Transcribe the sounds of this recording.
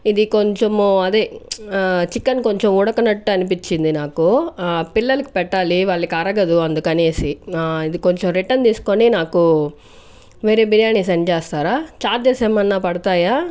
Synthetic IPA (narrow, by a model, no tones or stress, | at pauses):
id̪iko̞ɲt͡ʃomɐd̪e̞ː | t͡ʃikːɐnko̞ɲt͡ʃemuɽɐkɐnɐʈːuɐnipit͡ʃːind̪inaːkupilːɐlɐki̥pɛʈːaːliʋaːɭːɐkiɐɾɐɡɐd̪uɐnd̪ukɐne̞ːsiid̪ikoɲt͡ʃemɾiʈːɐnt̪iːsu̥ko̞ninaːku | ʋeːɾeːbiɾjaːnis̬ɐnt͡ʃeːst̪aːɾaːt͡ʃaːʈ̚d͡ʒ̪eːseːmɐnːaːpɐɽɐt̪aːjaː